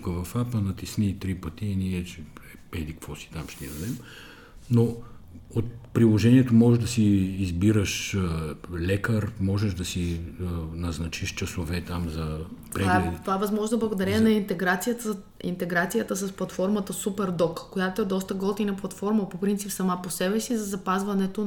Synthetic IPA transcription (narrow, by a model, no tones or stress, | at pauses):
kəvɐfapənɐt̪isnit̪ɾipɐt̪iːniɛt͡ʃɛɛbɛd̪ikvɔsi̥t̪amʃt̪ɛd̪ɐd̪ɛm | noot̪̚pɾilˠoʒɛniɛt̪omɔʒɛʒd̪ɐsiːzbiɾəʃ | lɛkəɾmɔʒɛʒd̪ɐsi | nɐznɐt͡ʃiʃt͡ʃɐsovɛt̪amzɐp̪ɾvaɛt̪ovaɛvɐzmɔʒnoblˠɐɡod̪ɐɾɛɛnɐint̪ɛɡɾat̪sijət̪ə | ḭnt̪ɛɡɾat̪sijət̪əsɐsplˠɐt̪fɔɾmət̪əsupɛɾd̪ɔkkːojat̪oɛd̪ɔst̪əɡɔlˠt̪inɐplˠɐt̪fɔɾməpopɾint̪sipsɐmaposɛbɛsizɐzɐpazvɐnɛt̪o